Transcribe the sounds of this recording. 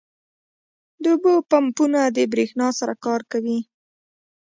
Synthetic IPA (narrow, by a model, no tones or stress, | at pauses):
d̪əʊbopampunad̪əbɾexnɑsaɾakɑɾkawi